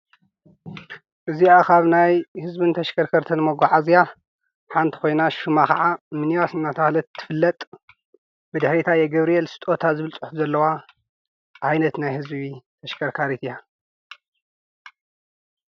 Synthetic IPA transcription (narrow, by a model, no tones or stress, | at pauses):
ʔɨziakʰaβnajhɨzbint̪ʰɐʃkʰɐɾkʰɐɾt̪ʰɐnmɐɡaʕazija | ħant̪ʰi̥xo̞jnaʃumakɐʕamɨniwasɨnːat̪ʰɐxlɐt̪ʰːɨ̥fɨlːɐt̪ʼ | bɨd̪ɨħɾit̪ʰajɛɡɐβɾijɛlsɨ̥t̪ʼo̞t̪ʰazɨβɨlt͡sʼɨħufzɐlːɐwa | ʕajnɐt̪najhɨzbit̪ʰɐʃkʰɐɾkʰaɾit̪ʰija